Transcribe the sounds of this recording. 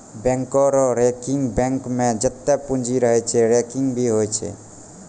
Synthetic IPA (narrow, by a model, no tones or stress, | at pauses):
bɛ̃ŋkɔɾɔɾekɪ̃ŋɡbɛ̃ŋkmẽd͡ʒət̪ːapũnd͡ʒʱiɾəɦɛt͡ʃʰɛeɾekɪ̃ŋɡbʱiɦojt͡ʃʰḛ